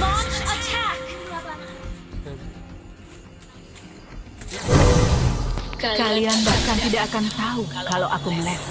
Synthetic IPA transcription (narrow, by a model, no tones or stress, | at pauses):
t͡ʃ | kalianbakant̪idaʔːakant̪aukaloʔakumənɛ